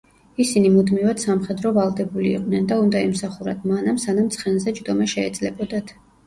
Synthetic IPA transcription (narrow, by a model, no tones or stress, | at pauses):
isinimud̪mivad̪̥samχɛd̪ɾɔvalˠd̪ɛbulḭːqʼnɛnd̪aund̪aɛmsaχuɾad̪ʰmanamsanamt̪sʰχɛnzɛd͡ʒd̪ɔmaʃɛɛ̰d̪z̥lɛbɔd̪at̪ʰ